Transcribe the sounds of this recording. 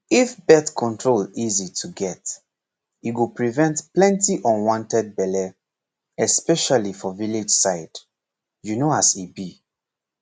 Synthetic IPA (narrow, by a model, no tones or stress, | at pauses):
ifbɛtkʰɔ̃ntʰɹolizitʰuɡɛt | iɡupɹivɛ̃ntplɛ̃ntiʔɔ̃nwɔ̃ntɛd̚bɛlɛ | ɛspɛʃalifɔvilid͡ʒsaɪd̥ | junoasibi